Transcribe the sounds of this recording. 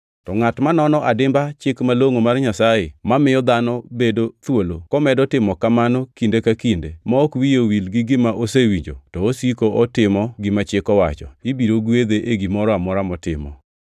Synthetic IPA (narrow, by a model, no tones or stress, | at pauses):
tɔŋatmanɔnɔʔadɪmbat͡ʃɪkmaloŋomarɲasajemamɪjɔd̪anɔbedot̪wolokɔmɛdɔtɪmɔkamanɔkindekakindemɔːkwijowilɡɪɡɪmaʔosewiɲd͡ʒo̰tɔosikoʔɔtɪmɔɡɪmat͡ʃɪkɔwa̰t͡ʃɔ̰ibiɾoɡwed̪eʔeɡimɔɾɔamɔɾamɔtɪ̰mɔ̰